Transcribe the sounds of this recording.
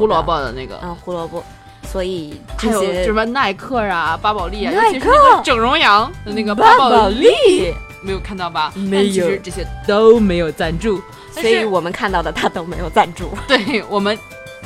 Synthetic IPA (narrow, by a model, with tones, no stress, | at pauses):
xu˥lwɔ˧˥pɑ˥˩ʊd̪ə̰˩na˥˩ɡə̰˩˧˩xu˧˥lwɔ˧˥pɔ˥˩ | swɔ˧˥i˨˩ʈ͡ʂjo˨˥o˥˧˩ʂna˥˩ɪkʰɤ˥˩ɐ˩pa˥pɑ˨˩ʊli˥˩a˧˥˩ɛ˥ʂʈ͡ʂɤ˨˩ŋɻʊ˧˥ŋjɑ˧˥ŋd̪ə˧na˥˩ɡə˩a˥pɑ˨˩˨ʊli˥˩me˧˥ɪjo˨˩kʰa˥˧nt̪ɑ˥˩ʊbɐ˩me˥˧˥ɪjʰt͡ɕo˧˥ʊʂɻ̩˧ʈ͡ʂɤ˥˩ɕjɛ˥t̪o˥ʊme˧˥ɪjo˨˩ʊt͡sa˥˧nʈ͡ʂu˥˩ | sɔ˧˥i˧˥wɔ˨˩mə˦nkʰa˥˧nt̪ɑ˥˩ʊd̪ə˩t̪ʰa˥t̪o˥me˧˥ɪjo˨˩ʊt͡sa˥˧nʈ͡ʂu˥˩t̪we˥˩ɪwɔ˨˩mə˦n